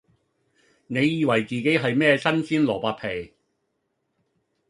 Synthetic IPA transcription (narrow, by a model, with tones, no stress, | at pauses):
ne˨˧jːiː˨˧wɐ˨˩jt͡siː˨ke˨˥jɦɐ˨jmɛː˥sɐ˥nsiː˥nlɔː˨˩paː˧t̚pʰe˨˩j